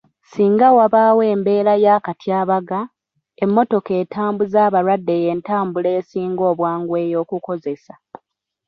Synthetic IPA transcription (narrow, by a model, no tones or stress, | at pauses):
siːŋɡawaβaːwe̞ːmbe̞ːɾajaːkatjaːβaɡa | emːo̞to̞ke̞ːtʰaːmbuzaːβaɾwadːe̞je̞ːntaːmbule̞ːsiːŋɡo̞ːβwaːŋɡwe̞ːjo̞ːkuko̞zesa